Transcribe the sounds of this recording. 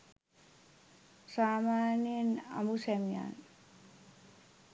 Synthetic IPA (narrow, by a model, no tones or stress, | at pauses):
saːmaːnjənɐ̰musɛmija̰ːn